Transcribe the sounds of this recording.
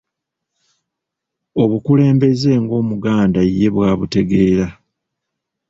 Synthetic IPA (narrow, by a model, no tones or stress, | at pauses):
o̞βukule̞ːmbe̞ze̞ːŋɡo̞ːmuɡaːndaje̞βwaːβute̞ɡe̞ːɾa